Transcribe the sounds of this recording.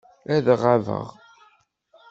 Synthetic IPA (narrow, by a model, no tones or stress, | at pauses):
æðʁavə̰ʁ